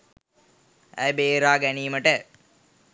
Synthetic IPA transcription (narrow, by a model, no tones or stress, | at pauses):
æ̰jbeːɾaːɡæniːməʈə